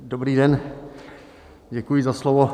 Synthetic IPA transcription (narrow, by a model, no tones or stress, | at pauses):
dobɾiːdɛn | ɟɛkujɪzaslovo